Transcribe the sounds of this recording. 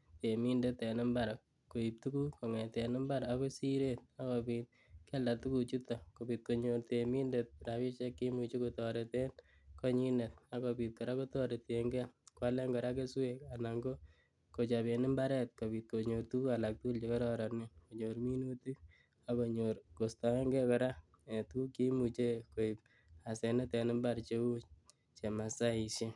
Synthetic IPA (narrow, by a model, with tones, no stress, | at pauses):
te˨mi˦ndet̪e˨nɪ˦mbaɾa˨k | kːo˨i˨p̚tu˦ku˦ko˨ŋɛ˨t̪ɛ˨nɪ˦mba˦ɾako˦si˦ɾet̪̚a˦kɔpiːt̪̚ | kɛ˦lda˨tu˦ku˨t͡ʃut̪ɔ˨ko˨bi˨t̪̚ko˨ɲo˨ɾtemi˦ndet̚ɾa˨bi˦t͡ʃe˦kːi˦mut͡ʃi˦kotɔɾe˨te˦n | ko˦ɲi˦ne˨t̪̚a˦kɔpi˨t̪̚kɔ˨ɾa˦ko˦tɔ˦ɾe˨te˨ŋɡɛ˦kwa˦lɛ˦ŋɡɔɾa˦ke˦sweka˨naŋɡo˦ | ko˨t͡ʃabe˨nɪ˦mba˦ɾɛ˦t̪̚ko˨pit̪̚ko˨ɲo˨rtu˦a˨lak̚tu˦lt͡ʃekɔ˦ɾɔ˦ɾa˨ne˦ko˨ɲoɾmi˦no˦ti˦ | ako˨ɲoɾko˨sta˨ɛ˦ŋɡɛ˦kɔ˨ɾa˦ | e˨tu˦ki˦mut͡ʃe˦ko˨i˨p̚ | a˨se˨ne˦te˨nɪ˦mbaɾt͡ʃe˦u˦ | t͡ʃe˨ma˨sa˦iʃe˦